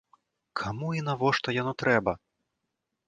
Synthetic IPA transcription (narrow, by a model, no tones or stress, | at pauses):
kʰamuinavɔʂt̪ɔjanɔt̪ɾɛbɐ